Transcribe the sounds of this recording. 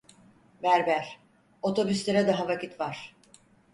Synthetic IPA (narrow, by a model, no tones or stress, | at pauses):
væɾbæɾ̥ | o̞t̪ʰo̞byslʲeɾɛd̪aɦavacʰit̪vaɾ̥